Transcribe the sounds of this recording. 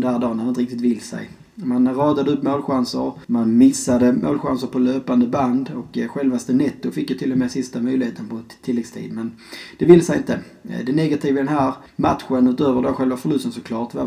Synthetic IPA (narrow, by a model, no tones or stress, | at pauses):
nd̪æːd̪ɑːnːaɾnt̪əɾɪkt̪ɪt̪vɪlːsɛ̰j | manɾɑːd̪ad̪əɵpːmoːlɧansə̰ɾmanmɪsːad̪əmo̰ːlɧa̰nsəɾpʰɔløːpand̪əband̪ɔkɧɛlvast̪ənɛt̪ːʊfɪkːjɵt̪ʰɪlːɔmɛːsɪst̪amœjlɪheːt̪ʰənpʰɔt̪ʰːɪlːɛɡst̪ʰḭːd̪mɛn | d̪̥ɛvɪlːəsɛjɪnt̪ə | d̪ɛnɛɡat̪ʰiːvəd̪ɛnɦæːɾ | mat̪ɧənʉt̪øːvəɖɔɧɛlvafœɭɵst̪ənsɔkʰlɑːʈva